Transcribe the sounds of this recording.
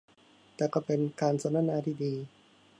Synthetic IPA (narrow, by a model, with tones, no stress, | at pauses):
t̪ɛː˨˩kɔː˥˩pe˧nkaː˧nsa˧˦na˥˨naː˧t̪ʰiː˥˩diː˧